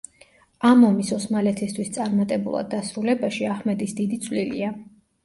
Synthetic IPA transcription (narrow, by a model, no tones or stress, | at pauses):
amɔmisɔsmalɛt̪ʰist̪ʰwist̪sʼaɾmat̪ʼɛbṵlˠa̰d̪ːasɾulɛbaʃiahmɛd̪isd̪id̪it̪sʼʰvlilḭa